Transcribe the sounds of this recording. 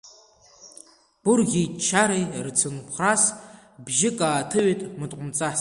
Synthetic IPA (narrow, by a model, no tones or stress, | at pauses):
b̥ʊrɣʲit͡ʃʰaɾejrt͡sʰɨnpʰχras | bʒɪkʼaːtʰɨɥʷetʼmɨtʼqʷʼʊmt͡sʼas